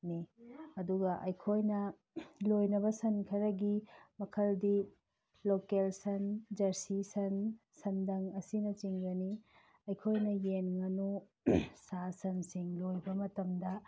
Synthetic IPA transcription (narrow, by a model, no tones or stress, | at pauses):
niɐduɡɐʔɐjkʰojnɐ | lojnɐbɐsɐnkʰɐɾɐɡimɐkʰɐldi | lokelsɐnd͡ʒɐɾsisɐn | sɐndɐŋɐsinɐt͡ʃiŋɡɐni | ɐjkʰojnɐjenŋɐno | sasɐnsiŋlojbɐmɐtɐmdɐ